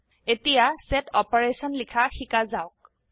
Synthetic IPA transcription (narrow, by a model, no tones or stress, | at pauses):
etijasetʰɔpɔɹesɔnlikʰaxikazaʊk